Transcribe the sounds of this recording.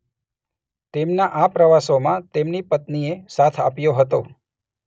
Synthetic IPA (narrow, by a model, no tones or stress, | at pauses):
t̪emnaʔapɾəʋasomãt̪emnipət̪niesat̪ʰa̰pjoɦət̪o